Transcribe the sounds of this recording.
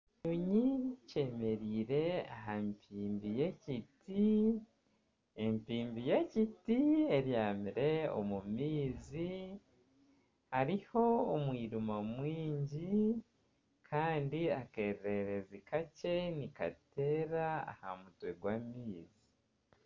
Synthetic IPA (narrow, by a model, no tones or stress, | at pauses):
uɲice̞ːme̞ɾiːɾe̞aɦampʰiːmbijeciti | empiːmbijecitieɾjaːmiɾe̞o̰mumiːzi | haɾiho̞omwiːɾumamwiːɲɟi | kʰaːndiake̞ɾe̞ɾe̞zikace̞nika̰te̞ːɾaa̰ha̰mutwe̞ɡwaːmiːzi